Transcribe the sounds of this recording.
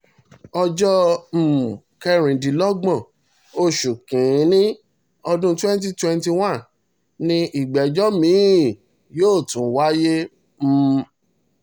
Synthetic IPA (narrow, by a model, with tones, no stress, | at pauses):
ɔ˧d͡ʒɔ˦m̩˨ | kɛ˧ɾ̃ĩ˨dĩ˨˦lɔ˦ɡ͡bɔ̃˦˨ | o˧ʃu˨kĩ˨˦nĩ˦ | ɔ˧dũ˦twɛ̃˦n˦t̬i˦twɛ˧nti˧wã˦˨n | nĩ˧i˨ɡ͡bɛ˨d͡ʒɔ˦mĩ˨˦˨ | joː˦˨tũ˨˦wa˦je˦ | m̩˦